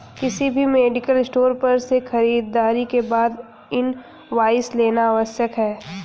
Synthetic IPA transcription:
kɪsibʱimeːɖɪkəlɪsʈoːɾpɐɾsexɐɾiːd̪ːaːɾikebaːd̪ | ɪn | ʋaːɪsleːnaaːʋəsjəkɦɛː

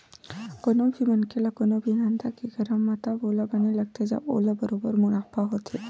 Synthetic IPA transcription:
konobʱimənkelakonobʱinãnt̪akeɡəɾəmːãt̪abolabəneləɡ̚t̪ad͡ʒa̰ʔo̰labəɾobəɾmuɽapaɦot̪ʰe

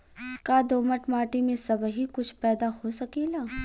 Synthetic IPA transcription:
kaːd̪oːməʈmaːʈimẽsɐbɦikʊt͡ʃʰpɛːd̪ahosɐkeːlaː

